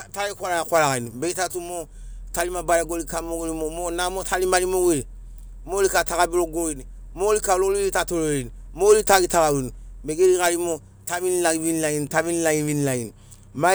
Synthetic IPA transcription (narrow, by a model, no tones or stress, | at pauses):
taɾikʷaɾakʷaɾakainubeitatumo | talimabaɾaɡolikamoɡulimomonamotalimalimoɡili | molikataɣabiɾoɡoini | molikalolilitatololinimolitaɡitakawinubeɡelikalimo | taβinilaɡivinilainitaβinilajĩvinilajinu | ma